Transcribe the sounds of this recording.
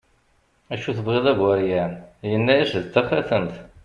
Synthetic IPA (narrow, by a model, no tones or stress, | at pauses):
æʃuθəvʁiðˤæɡwæɾjænjənːæjæsðt̪ːæfæθənt̪